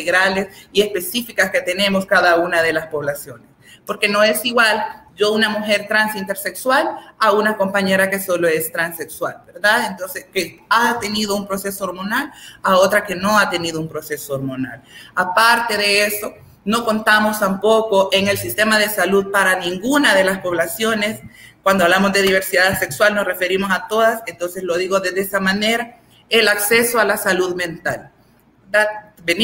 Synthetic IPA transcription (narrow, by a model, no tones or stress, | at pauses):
eɣɾale̞sie̞spe̞sifikaske̞t̪e̞ne̞mo̞skaðaunaðe̞laspo̞βlasjo̞nespo̞ɾke̞no̞e̞siɣwalɟ͡ʝounamuxe̞ɾt̪ɾansint̪e̞ɾse̞kswalaunako̞mpaɲe̞ɾake̞so̞lo̞e̞st̪ɾanse̞kswalbe̞ɾðaðent̪o̞nse̞skeat̪e̞niðo̞umpɾo̞se̞sooɾmo̞nalao̞t̪ɾake̞no̞at̪e̞niðo̞umpɾo̞se̞so̞oɾmo̞na̰lapaɾt̪e̞ðeeso̞ | no̞ko̞nt̪amo̞st̪ampo̞ko̞ʔe̞ŋe̞lsist̪e̞maðe̞saluð̚paɾanĩŋɡunaðe̞laspo̞βlasjo̞ne̞skwand̪oaβlamo̞zd̪e̞ðiβ̞e̞ɾsiðase̞kswalno̞sre̞fe̞ɾimo̞sat̪o̞ðasent̪o̞nseslo̞ðiɣo̞ðedeesamane̞ɾa | e̞lakse̞so̞alasaluðmẽ̞nt̪al | eðaðben